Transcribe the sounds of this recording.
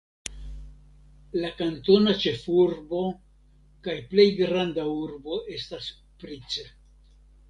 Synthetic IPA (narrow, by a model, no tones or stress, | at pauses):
lakanto̞nat͡ʃe̞fuɾbo̞ | kajple̞jɡɾandauɾbo̞ʔe̞stas | pɾit͡se